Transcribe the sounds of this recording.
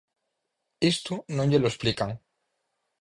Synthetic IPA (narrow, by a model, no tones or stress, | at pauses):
est̪unõɲʎeloesplikaŋ